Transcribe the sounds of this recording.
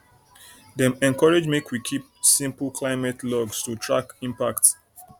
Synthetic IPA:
dɛ̃mɛ̃nkʰɔɹed͡ʒmekwikʰip̚sĩmpl̩kʰlaɪmɛtlɔɡstutʰɹa̰kĩmpak̚ts

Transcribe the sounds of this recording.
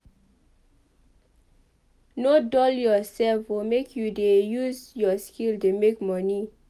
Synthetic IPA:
nodɔljɔsɛlfwɔmekʰjudejuzjɔskildemekmɔni

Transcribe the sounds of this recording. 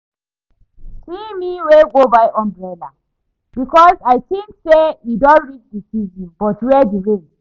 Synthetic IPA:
simiweɡobaɪʔɔ̃mbɹɛla̰ | bikʰɔzaɪθĩŋksejidɔ̃nɹit͡ʃdisizɔ̃nbɔtwɛdiɹe

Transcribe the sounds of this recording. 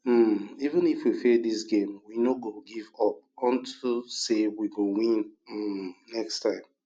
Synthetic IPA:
m̩ivə̃nifwifedis̬ɡẽmwinoɡoɡivɔp̚ɔ̃ntʰusewiɡowĩn̩ | nɛkstʰãɪ̃m

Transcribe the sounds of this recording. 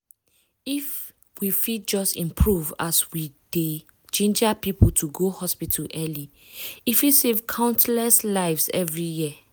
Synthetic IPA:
if | wifid͡ʒɔstĩmpʰɹuva̰swid̥e | t͡ʃẽnd͡ʒapiputʰuɡohɔspitʰaʔɛli | ifisevkʰãʊ̃ntlɛslaɪvsɛ̰vɹijiə

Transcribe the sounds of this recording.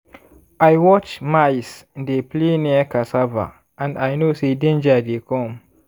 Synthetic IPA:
ajwɔt͡ʃmajsdepleniakasava̰ | ãnajnosedẽnd͡ʒadekɔ̃m

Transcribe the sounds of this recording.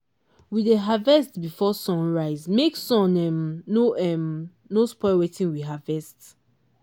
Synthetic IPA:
wideɦavɛstbifɔsɔ̃nɹaɪzmeksɔ̃nɛmnoɛm | nospɔɪwetĩnwiɦavɛst

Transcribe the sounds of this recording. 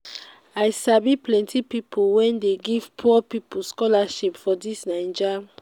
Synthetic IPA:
ajsabiplɛ̃ntʰipipʰulwɛ̃ndeɡiv̥pʰupiplskɔlaʃipfɔdisnãɪ̃nd͡ʒa

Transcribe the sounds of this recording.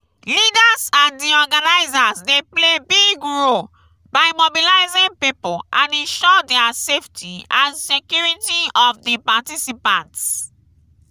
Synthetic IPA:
lidazãndiɔɡanaɪzazdeplebiɡɹol | baɪmobilaɪzĩŋpipolʔãnɛ̃nʃɔdɛaseftʰiãnsekjuɹitiɔfdipatisipãnts

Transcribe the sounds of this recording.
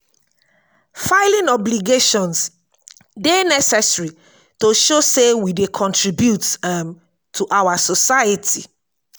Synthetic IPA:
faɪlĩnɔbliɡeʃɔ̃ns | denɛsɛsɹi | toʃosewidekʰɔ̃ntɹibjutm | tʰuʔawasɔsaɪjətʰi

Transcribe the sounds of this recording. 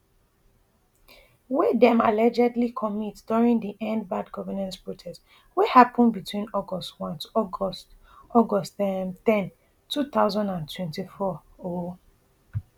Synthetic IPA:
widɛ̃malɛd͡ʒɛdlikʰɔmitd̥uɹĩŋdiʔɛ̃ndbadɡɔvənãnspɹotʰɛst | wihapɔ̃nbitʰwĩnɔɡɔstwɔ̃ntɔs | ɔɡɔsɛmtɛ̃n | tʰuθaʊzãndãntʰwɛ̃ntifɔo

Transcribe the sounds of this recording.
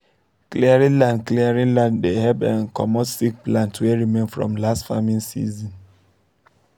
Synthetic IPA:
kliaɹĩlãndkliaɹĩnlãnddehɛbãnkɔ̰mɔtsik̚plãntʰwɛɹimẽnfɹɔ̰̃mlastfamĩnsḭzɔ̃n

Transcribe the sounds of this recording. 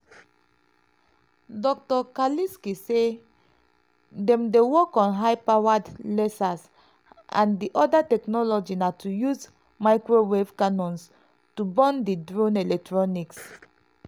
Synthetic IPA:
dɔk̚tɔkaliskise | dɛ̃mdewɔkɔ̃nɦaɪpawadlɛsas | ã̰ndiʔɔdatɛknɔlɔd͡ʒinatʰujuz | maɪkɹowevkanɔ̃ns | tubɔ̃ndidɹõnɛlɛk̚tɹɔniks

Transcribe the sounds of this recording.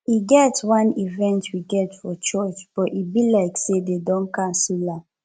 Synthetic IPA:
iɡɛtwãnivɛ̃ntʰwiɡɛtfɔt͡ʃɔt͡ʃb̥ɔʔibilaɪksededɔ̃nkãnsila

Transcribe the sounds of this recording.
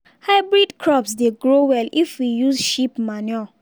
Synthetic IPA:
haɪbɹidkʰɹɔpsdeɡɹowɛlifwijuzʃipmaniɔ

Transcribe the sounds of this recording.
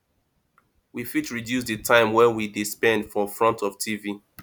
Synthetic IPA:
wifitɹidjus̬dɨtʰãɪ̃mwɛ̃nwidispɛ̃ndfɔfɹɔ̃ntɔvtʰivi

